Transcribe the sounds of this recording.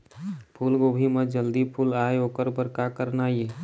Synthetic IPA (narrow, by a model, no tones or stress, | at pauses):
pʰulɡobʱimed͡ʒəld̪ipʰulaeoːkəɾbəɾkakəɾnaje